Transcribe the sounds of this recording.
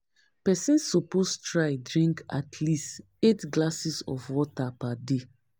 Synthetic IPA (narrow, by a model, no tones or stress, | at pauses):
pɛsɛ̃nsːɔpostɹaɪdɹĩŋka̰tʰlist | etɡlasisɔ̰fwɔtapade